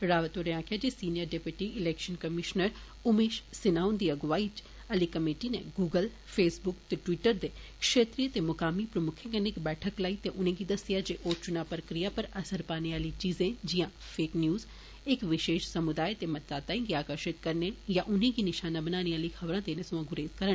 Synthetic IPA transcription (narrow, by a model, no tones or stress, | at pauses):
ɾaːʋət̪oɾeãːkʰjaːd͡ʒesiːnijəɾɖepjuʈiɪlɛːkʃənkɐmɪʃnəɾ | ʊmeːʃsɪnaːʊnd̪iːɐɡʋaːit͡ʃ | ɐlikɐmeːʈinḛ̃ɡuːɡəl | fʰeːsbʊkt̪eʈʋiːʈəɾd̪eːkʃeːt̪ɾijət̪emʊkaːmipɾɐmʊkʰẽkənekbɛːʈʰəklaːit̪eʔʊnẽɡid̪ɐsɪjad͡ʒeʔoːt͡ʃʊnapɾəkɾijapɐɾɐsəɾpaːneaːlit͡ʃiːzẽd͡ʒijã | pʰeːknjuːz | ɪkʋɪʃeːʃsɐmʊd̪aːjt̪emɐt̪ːaːt̪aːĩɡiaːkəɾʃɪt̪kɐɾnejaʔʊnẽɡinɪʃaːnabɐnaːniaːlixʰɐʋɾãːd̪eːnẽsõɐɡʊɾeːzkɐɾəɳ